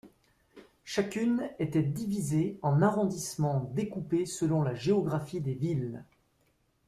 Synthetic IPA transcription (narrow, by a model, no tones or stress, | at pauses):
ʃakʲynet̪ɛd̪ivizeɑ̃naʁɔ̃d̪ismɑ̃d̪ekupesəlɔ̃laʒeɔɡʁafid̪evil